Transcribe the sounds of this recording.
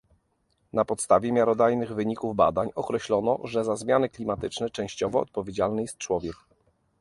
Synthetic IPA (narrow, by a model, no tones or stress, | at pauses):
napɔt̪st̪avʲjɛmʲjaɾɔd̪ajnɘɣvɘɲikuvba̰d̪aɲɔkɾɛɕlɔnɔ̰ʐɛzazmʲjanɘklʲimat̪ɘt͡ʂnɛt͡ʂɛ̃w̃ɕt͡ɕɔvɔ̰ːt̪̚pɔvʲjed͡ʑalnɘjɛst̪̚t͡ʂwɔvʲjɛk